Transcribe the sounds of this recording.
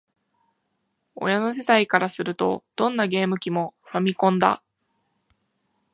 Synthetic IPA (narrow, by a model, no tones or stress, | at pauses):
o̞̰jano̞s̬et̪aikaɾasɨɾɯ̟t̪o̞̰d̪̥õ̞nːaɡe̞ːmɯ̟kʲimo̞ɸamʲikõ̞nd̪a̰